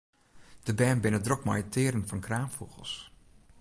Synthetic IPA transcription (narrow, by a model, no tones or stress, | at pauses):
d̥əbɛːnbɪnədrɔkmɔ̰jətʰɪːəɾənfɔnkraːmfṵɣəlˠs